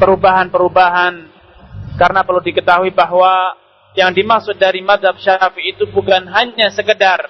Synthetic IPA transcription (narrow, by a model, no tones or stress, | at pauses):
pəɾubaɦanpəɾubaɦan | kaɾənapərludikət̪aɦuibaɦwa | jaŋdimaksʊt̪̚daɾimat̪̚hab̚ʃaafiːt̪ubukanɦaɲasəkədar